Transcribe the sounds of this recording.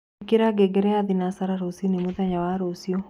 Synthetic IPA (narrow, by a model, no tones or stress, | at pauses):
keɾaɡɛɡɛɾɛaðinasaɾaɾosinemoðaɲawaɾosiɔ